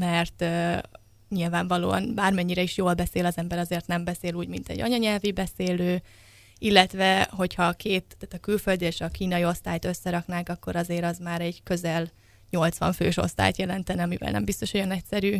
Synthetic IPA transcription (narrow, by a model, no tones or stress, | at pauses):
mɛrt̪ː | ɲilvaːɱvɒlo̰ːɒ̰nbaːrmɛɲːiɾɛiʃjoːlbɛseːlɒzɛmbɛɾɒzeːrt̪nɛmbɛseːluːɟmint̪ɛ̰ɟːɒ̰ɲɒɲɛlvibɛseːløː | ilːɛt̪vɛɦo̞chɒkʰeːt̪ːaːt̪ɒkylfø̞ld̪ieʃɒkiːnɒjio̞st̪aːjt̪ø̞sːɛɾɒknaːŋkɒkːo̞ɾɒzeːɾɒzmaːɾɛɟkø̞zɛl | ɲo̞lt̪sʋɒ̰ɱfø̰ːʃo̞̰st̪a̰ːjt̪jɛlɛnt̪ɛnɛɒmivɛ̰lnɛ̰mbist̪o̞ʃojɒnɛcsɛɾyː